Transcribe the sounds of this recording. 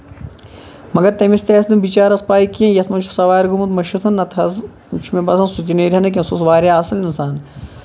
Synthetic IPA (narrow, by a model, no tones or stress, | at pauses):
mɐɡɐɾt̪ɐmist̪eːsd̪ɨmbit͡ʃaːɾɐspaːikiɐ̃njɐt̪mɐt͡ʃʰusɐʋaːɾɡumɐnt̪mɐʃɐt̪ʰɐnːɐt̪ʰɐz | t͡ʃʰumebɐsʰɐnsut̪ʲineːɾʲɐnɐk̬ʲɐ̃susʋaːɾʲaɐsɐlinsaːn